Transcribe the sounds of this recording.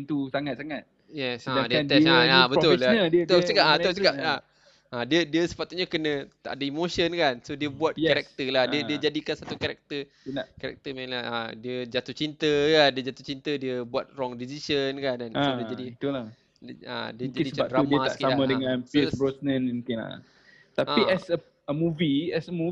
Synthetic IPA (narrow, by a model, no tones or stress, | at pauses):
nt̪usaŋat̪̚saŋat̪̚ | jɛsadiət̪ɛaabət̪ʊlədiət̪osəkaat̪osəkaa | ʔadiədiəsə̥pat̪uɲakənə̃t̪a̰ʔdəimoʃənkansodiəbuat̪̚aɾɛk̚t̪əlahdiədiəd͡ʒadikansat̪ukaɾak̚t̪ə | kaɾɛ̰k̚t̪əmalaa̰diəd͡ʒat̪uht͡ʃint̪əkandiəd͡ʒat̪u̥t͡ʃint̪ədiəbuat̪̚rɔŋdisisənkanansodid͡ʒadiət̪ula | a̰diəd͡ʒadiət͡ʃaɾamiãakisaamãdəŋãnsebɾɔsnənmukɪna̰ | t̪aaiɛsə | əmuviɛsəmu